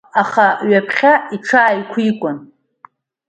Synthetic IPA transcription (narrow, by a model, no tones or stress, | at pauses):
aχaɥapʰχʲaiʈ͡ʂʰaːjkʷʰikʷʼʊn